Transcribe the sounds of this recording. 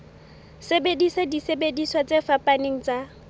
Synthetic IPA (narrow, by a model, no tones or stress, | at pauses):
sebedisadisebediswat͡sefapaneŋ̩t͡sʼa